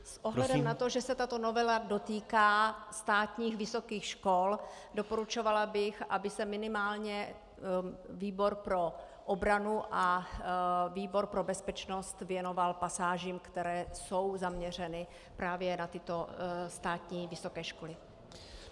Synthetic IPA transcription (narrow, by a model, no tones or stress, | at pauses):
sʔoɦllɛdɛmnat̪oʒɛsɛt̪at̪o̞novɛlado̞t̪iːkaːst̪aːt̪ɲiːxvɪso̞kiːxʃkol | dopo̞ɾut͡ʃo̞valabɪxʔabɪsɛmɪnɪmaːlɲɛ | viːbo̞ɾpɾo̞ | ʔobɾanuʔa | viːbo̞ɾpɾo̞bɛspɛt͡ʃnost̪vjɛno̞valpasaːʒiːmkt̪ɛɾɛːso̞wzamɲɛr̝ɛnɪ | pɾaːvjɛnat̪ɪt̪o̞st̪aːt̪ɲiːvɪso̞kɛːʃko̞lɪ